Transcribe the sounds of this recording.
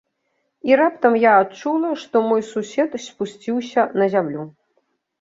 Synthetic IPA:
iɾapt̪ɐmjaːt͡ʂulˠɐʂt̪ɔmɔjsusʲɛt̪sʲpusʲt͡sʲiwsʲɐnɐzʲamlʲu

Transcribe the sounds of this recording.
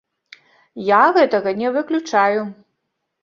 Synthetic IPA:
jaɣɛt̪ɐɣɐnʲɛvɨklʲut͡ʂaju

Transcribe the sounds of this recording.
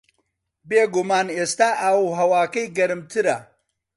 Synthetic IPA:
beːɡumaːneːst̪aːʔɐwɦɐwaːkɐjɡɐɾɨmt̪ʰɨɾɐ

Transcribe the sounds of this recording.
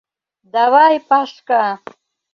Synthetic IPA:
d̪avajpaʂka

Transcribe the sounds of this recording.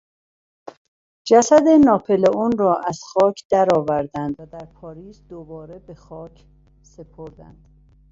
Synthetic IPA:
d͡ʒæsæd̪enɒːpʰe̞leunrɒːʔæz̥xɒːcʰd̪̥æɾɒːvæɾd̪ænd̪væd̪æɾpʰɒːɾiːzd̪obɒːɾe̞be̞xɒːcʰ | se̞pʰoɾd̪æ̰nd̪̥

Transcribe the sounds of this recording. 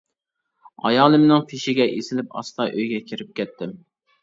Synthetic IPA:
ɑ̰jɑːlˠɨmnɪŋpʰiʃɪɡʲɛʔesɪlɪpɑ̰st̪ɑʔøjɡʲɛkʲʰiɾɪp̚kʲʰɛt̪ʰːɪm

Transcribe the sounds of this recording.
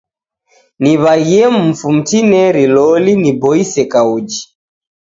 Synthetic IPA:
niβajɛm̩fum̩tinɛɾilɔlinibɔisɛkaud͡ʒi

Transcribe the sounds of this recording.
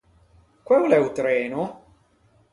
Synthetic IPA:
kwɛwlɛut̪ɾɛːno

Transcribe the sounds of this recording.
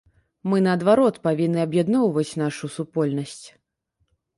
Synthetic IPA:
mɨnɐːd̪vaɾɔt̪pavʲinːɨɐbjad̪nɔwvɐt͡sʲn̪aʂusupɔlʲnɐsʲt͡sʲ

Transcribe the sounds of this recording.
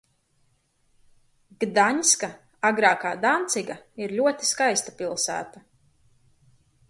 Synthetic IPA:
ɡd̪aɲska | aɡɾaːkaːd̪ant̪siɡaiɾlʎʲuɔt̪i̥skajst̪apilˠsæ̰ːt̪a

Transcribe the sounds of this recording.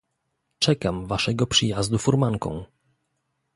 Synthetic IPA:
t͡ʂɛkamvaʂɛɡɔpʂɘjazd̪ufuɾmaŋkɔ̰̃w̃

